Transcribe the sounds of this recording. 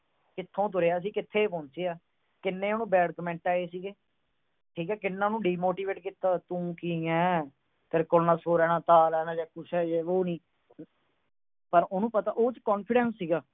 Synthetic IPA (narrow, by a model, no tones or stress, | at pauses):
kɪt̪ʰːõːt̪ʊɾeːaːs̬iːkɪt̪ʰːeːpõːnsiːaː | kɪnːẽːoːnũːbɛːɽkəmɛ̃ːɳʈaːeːsiːɡeː | ʈʰiːkɛːkɪnːãːnũːɖiːmoːʈiːʋeːʈkiːt̪aːt̪ũːkiɛ̃ː | t̪eɾkoːlnãːsoːɾɛːnãːt̪aːlɛːnaːd͡ʒɛːkʊsɛːd͡ʒeːʋoːnĩː | pəɾʊnũːpət̪aːʔoːt͡ʃkɔːnpʰɪɖɛ̃ːnsːiːɡaː